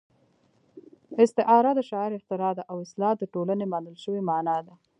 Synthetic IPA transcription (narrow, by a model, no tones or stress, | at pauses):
ɪst̪ɪʔɑɾad̪əʃɑɪɾɪxt̪ɪɾɑd̪aʔawɪslɑd̪əʈolanemɑnəlʃəwemanɑd̪a